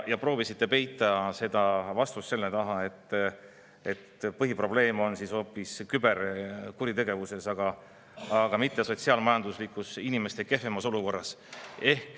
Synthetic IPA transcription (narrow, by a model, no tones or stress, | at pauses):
jɑpro̞ːvisit̪ːe̞pe̞jt̪ːˑɑse̞d̪̥ɑvɑst̪usːe̞lːe̞t̪ɑɦɑe̞t̪ːˑ | e̞t̪pɤɦipro̞ble̞ːmo̞nsiso̞ːpːˑiskybe̞ɾkuɾit̪e̞ɡe̞vuse̞sɑɡ̥ɑ | ɑɡ̥ɑmit̪ːe̞so̞t̪siɑːlmɑjɑnd̪̥uslikːˑusinime̞st̪e̞ke̞femɑso̞luko̞rːɑse̞hk